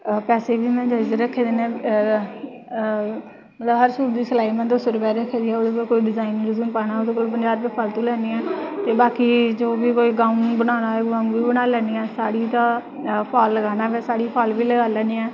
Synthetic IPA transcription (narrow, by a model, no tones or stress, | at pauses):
pɛːseːʋiːmɛ̃ːd͡ʒaːizeɾəkʰːeːd̪eːnɛ̃ː | mət̪ləbɦəɾsuːɾd̪iːsəlaːiːmɛ̃nd̪osəɾəpɛːɾəkʰːeːd̪iːɛːoːd̪eːkoːlkoːiːɖɪzaːinːɾəzuːnpaːnaːod̪eːkoːlp̬ənd͡ʒaːɾpiːpʰalt̪ũːlɛːniːɛːt̪eːbaːkiːd͡ʒoːʋiːkoːiːɡaːʊ̃nbənaːnaːɡãːnʋiːbənaːlɛːniːɛːsaːɽiːt̪ãː | pʰaːlːəɡaːnaːɛːʋɛ̃ːsaːɽiːpʰaːlʋiːləɡaːlɛːniːɛː